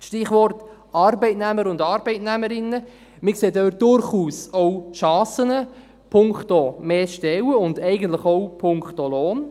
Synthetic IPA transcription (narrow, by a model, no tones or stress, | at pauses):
ʃtɪχʋɔrt | ɑrbɛɪtnæməɾʊndɑɾbɛɪtnæməɾɪnːə | mɪkseːdøːt̚d̥ʊɾχuːsɔwʃɑːsənə | pʰʊŋktomeːʃtɛwəʊndɛɪɡən̩tləχɔwpʰʊŋktoloːn